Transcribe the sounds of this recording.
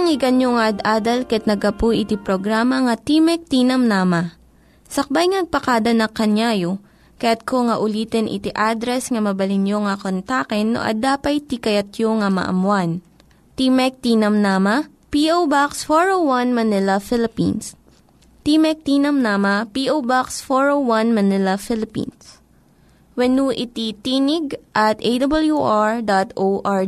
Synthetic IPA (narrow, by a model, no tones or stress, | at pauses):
ɐŋɪɡɐnjoŋaɐd̪ʔaːd̪ɐlkɐɐt̪nɐɡɐpuʔɪt̪ipɾoɡɾaːmɐŋɐt̪imɛk̚t̪iːnɐmnaːmɐ | sɐk̚bajŋnɐɡ̚pɐkad̪ɐnɐkɐnjaːjo | kɐjat̪̚koŋɐʔʊliːt̪ɛnʔɪ̰t̪iʔaːd̪ɾɛsŋɐmɐbɐlɪnjoŋɐkont̪aːkɛnːo̰ʔɐ̰d̪aːpɐjt̪ikɐjɐt̪joŋamɐ̰ʔɐ̰mwan | t̪imɛk̚t̪iːnɐmnaːmɐ | piʔowbaksfoɹowwɐnmɐnɪlɐfɪlɪpḭns | t̪imɛk̚t̪iːnɐmnaːmɐpiʔowbaksfoɹowwɐnmɐnɪlɐfɪlɪpḭns | wɐnuʔɪt̪it̪iːnɪɡ̚ʔɐt̪ʔejd̪ɐbɐljuʔaɹd̪at̪ʔoʔa